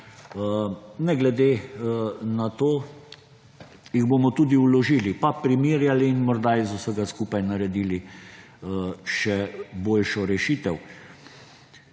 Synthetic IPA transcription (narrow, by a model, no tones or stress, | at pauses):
nɛɡlɛd̪eː | nat̪oː | jiɣboːmɔt̪ud̪iulɔʒiːlipapɾimiːɾjaliːnmɔɾd̪ajɛzʊsəɡaskuːpajnaɾɛd̪iːli | ʃɛboːlʃɔɾɛʃiːt̪ɛw